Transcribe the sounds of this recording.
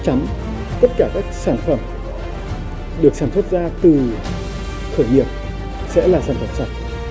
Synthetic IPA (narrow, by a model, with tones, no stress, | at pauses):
t͡ɕa˨˦m | t̪ə˦˥t̚kaː˧˩kaː˦˥k̚saː˧˩nfə˧˩m | ɗɨ˨˩ək̚saː˧˩mswə˦˥t̚zaː˧t̪ɨ˨˩ | t̪ʰəː˧˩jŋi˨˩əp̚ | sɛ̰˧˥laː˨˩saː˧˩nfə˧˩msa˨˩t̚